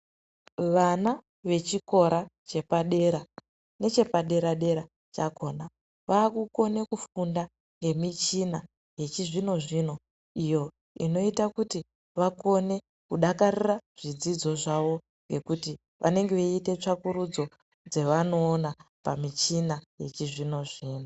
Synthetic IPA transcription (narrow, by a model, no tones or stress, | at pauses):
ʋana | ʋe̞t͡ʃiko̞ɾat͡ʃe̞paɗe̞ɾa | ne̞t͡ʃe̞paɗe̞ɾaɗe̞ɾa | t͡ʃako̞na | ʋaːkuko̞ne̞kufunda | ŋɡe̞mit͡ʃina | ɦe̞t͡ʃiʐino̞ʐino̞ | ijo̞ | ḭno̞itakuti | ʋako̞ne̞ | kuɗakariraʐ̥id͡zid͡zo̞ʐaʋo̞ | ŋɡe̞kuti | ʋʔa̰ne̞ŋɡe̞ʋeite̞t͡ʂakuɾud͡zo̞ | d͡ze̞ʋano̞ːnapa̰mit͡ʃinaje̞t͡ʃiʐino̞ʐiːno